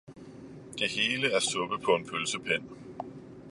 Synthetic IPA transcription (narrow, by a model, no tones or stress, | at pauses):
d̥e̝he̝ːləæɐsɔ̽b̥əðˠpʰɒ̽e̝npʰølsəpʰen̰